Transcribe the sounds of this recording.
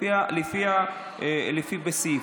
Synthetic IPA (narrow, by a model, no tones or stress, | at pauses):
ialifia | ɛlifibɛsi